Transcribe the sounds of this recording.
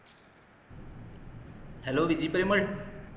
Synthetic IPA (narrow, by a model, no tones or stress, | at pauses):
hɛloːʋid͡ʑiːpəɾiməʈ